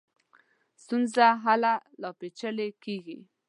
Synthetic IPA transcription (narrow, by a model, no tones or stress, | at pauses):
st̪unzaɦalalɑpet͡ʃəlekeɡi